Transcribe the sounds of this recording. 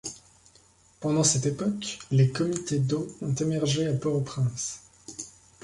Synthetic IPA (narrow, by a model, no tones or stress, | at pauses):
pɑ̃d̪ɑ̃sɛt̪epɔklekɔmit̪ed̪oɔ̃t̪emɛʁʒeapɔopχɛ̃s